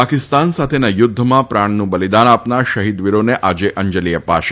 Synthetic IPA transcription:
akɪst̪ansat̪ʰenajʊd̪ʱːəmãpɾaɳnũbəlid̪anapnaɾʃəɦid̪ʋiɾoneʔad͡ʒeʔəɲd͡ʒəliəpa̰ʃe

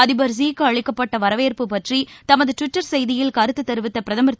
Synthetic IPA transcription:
ɐðɪbɐɾsiːkːɯɐɻɪkːɐpːɐʈːɐʋɐɾɐʋeːɾpɯpɐʈrit̪ɐmɐðɯʈʋɪʈːɐɾsɛjðɪjɪlkɐɾɯt̪ːɯt̪ːɐɾɯʋɪt̪ːɐpɪɾɐðɐmɐɾt̪

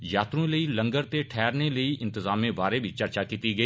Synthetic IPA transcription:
jaːt̪ɾõləilɐ̃ŋɡəɾt̪eʈʰɛːɾneləiʔɪ̃nt̪ɪzaːmẽbaːɾebʱit͡ʃɐɾt͡ʃakiːt̪iɡɐiː

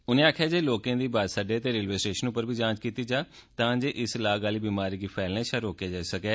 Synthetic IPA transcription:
ʊnẽːaːkʰjaːd͡ʒeːloːkãːd̪iːbaːsaɖeːət̪eːɾɪlʋeːsʈeːʃənʊpəɾbʱiːd͡ʒãːt͡ʃkiːt̪iːd͡ʒaː | t̪ãːd͡ʒeːʔɪslaːɡaːliːbiːmaːɾiːɡiːpʰɛːlnɛ̃ːʃaːɾoːkjaːd͡ʒaːisəkɛː

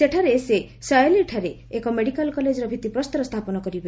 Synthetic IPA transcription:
seʈʰaɾese | sajliʈʰaɾeːkɔmeɽikalkɔled͡ʒɔɾɔbʱit̪ipɾɔst̪ɔɾɔst̪ʰapɔnɔkɔɾibe

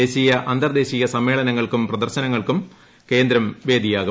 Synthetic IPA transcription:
eːɕijɐʔɐnd̪ɐrd̪e̞ːɕijɐsɐmːe̞ːɭɐnɐŋːɐɭkumprɐd̪ɐrɕɐnɐŋːɐɭkum | ke̞ːnd̪ɾɐmʋe̞ːd̪ʱijaːɣu

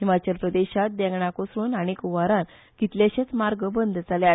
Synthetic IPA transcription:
ɦimat͡ɕəlpɾəd̪eɕat̪̚d̪ɛ̃ŋɡɳakosɾuːnaɽ̃ikuʋaɾãn | kit̪ljaɕet͡smaɾɡəbənd̪ʱd͡zalja

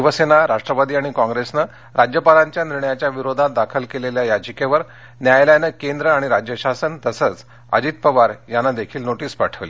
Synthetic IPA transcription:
iʋəsenaɾaʂʈɾəʋad̪iːaɽ̃ikɔ̃ŋɡɾesnə | ɾad͡ʑjəpalãɲt͡ɕjaniɾɳjat͡ɕjaʋiɾod̪ʱãt̪̚d̪akʰəlkeleljajad͡ʑəkeʋəɾ | njajljanəkend̪ɾəaɽ̃iɾad͡ʑjəɕasənt̪əsət͡s | a̰d͡ʑit̪̚pəʋaɾjanːad̪ekʰiːlnoʈiːspaʈʰəʋle

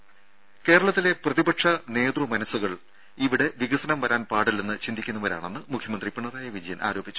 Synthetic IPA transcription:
ke̞ːɾɐɭɐt̪ːile̞prɐðibɐʈʂɐne̞ːd̪rumɐnɐsːuɣɐɭ | iʋiɽe̞ʋiɣɐsɐnɐmʋɐɾaːnpaːɽilnenːɨt͡ɕind̪ikʲːunːɐʋɐɾa̰ːɳe̞nːɨmukʰjɐmɐnd̪ripiɳːɐraːjɐʋid͡ʑɐjɐnʔa̰ːɾo̞ːbʱit͡ɕːu

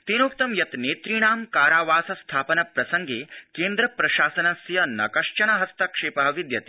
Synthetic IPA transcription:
t̪inuːkt̪ɐmjɐt̪neːt̪ɾiɳaːmkaːɾaːʋaːsɐst̪ʰaːpɐnɐpɾɐsɐŋɡeːkeːnd̪ɾɐpɾɐʃaːsɐnɐsjɐnɐ̰kɐʂt͡ʃɐɳɐɦɐst̪ɐkʂeːpɐɦɐʋid̪jɐt̪i̥

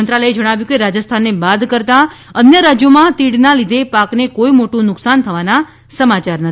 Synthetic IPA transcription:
ənt̪ɾaləed͡ʒəɽ̃aʋjũkeɾad͡ʒəst̪ʰanːebad̪kəɾt̪a | ənjəɾad͡ʒjomãt̪iɽnalid̪ʱepaknekoimoʈũnʊksant̪ʰəʋana | səmat͡ʃaɾnə

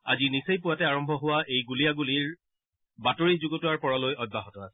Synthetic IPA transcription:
a̰zinisejpuatɛaɹɔmbʱɔɦʊwaʔejɡulijaɡuliɹ | batoɹizuɡotʊwaɹpɔɹalojɔd̚baɦɔtɔa̰sɛ

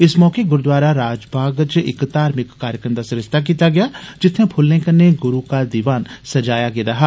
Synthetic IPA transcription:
ɪsmɔːkeɡʊɾd̪ʋaːɾaɾaːd͡ʒbʱaːɡt͡ʃɪ̰kt̪aːɾmɪkːaːɾjəkɾəmd̪aːsɪɾəst̪ʰak̬iːt̪aɡɪjaːd͡ʒɪt̪ʰːẽːpʰʊlːẽːkənːeɡʊɾuːkaːd̪iːʋaːnsəd͡ʒaːjaɡɪd̪aːɦɛː

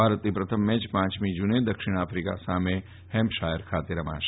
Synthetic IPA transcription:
bʱaːɾət̪nipɾət̪ʰəmːɛ̃t͡ʃpãːt͡ʃmid͡ʒuned̪əkʃɪɽ̃afɾika̰same | hɛmpʃaɦeɾkʰat̪eɾəmã̰ːʃ

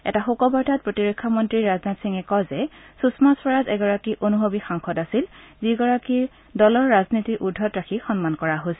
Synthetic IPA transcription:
ɛ̰taxokɔbɔɹdʱat̚pɹotiɹekʰːɔmɔntɹiɹaznatsiŋɛkɔzɛsusmaswɔɹazɛɡɔɹakiʔonuɦobixaŋkʰɔdasil | ziɡɔɹakiɹ | dɔlɔɹːaznitiʔudʱːɔtɹakʰixɔnmankɔɹaɦojsɛ

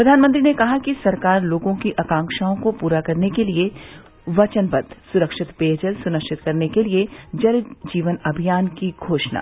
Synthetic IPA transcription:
pɾɐd̪ʱaːnmə̃nt̪ɾinekɐɦakisɐɾkaːɾloːɡõkiʔɐkãːŋkʃaːõkopuːɾakɐɾnekelie | ʋɐt͡ʃənpɐd̪ʱsʊɾəkʃɪt̪peːd͡ʒəlsʊnəkʃɪt̪kɐɾnekelied͡ʒɐɾd͡ʒiːʋənɐbʱijaːnkiɡʱoːʃna̰ː

